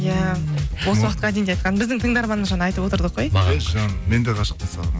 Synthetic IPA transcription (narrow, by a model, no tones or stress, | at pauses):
jæwo̞səwɑqət̪qɑæd̪end̪eɑjt̪qɑnbɪzd̪ɪŋt̪ʰəŋd̪ɑɾmɑnəməzʒɑnɑɑjt̪əpwoəɾd̪əqːojʒɑnmend̪eqʰɑʃə̥q̚t̪əsɑ̰lˠ